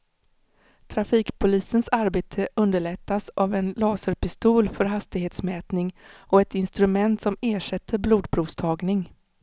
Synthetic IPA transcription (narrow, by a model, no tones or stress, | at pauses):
t̪ʰɾafiːkpʰʊliːsənsaɾbeːt̪ʰəʔɵnd̪əɭɛt̪ːasʔavɛnlɑːsəɾpɪst̪uːlfœɾɦast̪ɪɡheːt̪smɛːt̪nɪŋɔɛt̪ɪnst̪ɾɵmɛnt̪sɔmeːʂɛt̪ʰːəɾbluːd̪̚pʰɾuːvst̪ʰɑːɡnɪŋ